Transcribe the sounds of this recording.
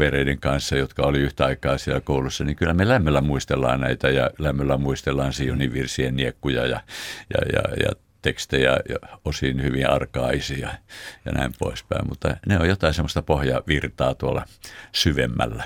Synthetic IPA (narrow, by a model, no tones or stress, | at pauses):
ʋereideŋkɑnsːɑjot̪kɑoliyht̪æɑikɑːsielkoulusːɑniŋkylːæmelæmːølːæmuist̪elːɑ̰ːnnæit̪æjɑlæmːølːæmuist̪elːɑːnsiːjoniʋʋirsienniekːujɑ̰jɑjɑ̰jɑ̰jɑ̰ | t̪ekst̪ejɑ̰jɑosiːnhyʋĩɑ̰rkɑːisiɑjɑ̰næ̰impo̰ispæ̰immut̪ːɑ̰neojot̪ɑisemːost̪ɑpohjɑʋirt̪ɑːt̪uolːɑ̰syʋemːæ̰lːæ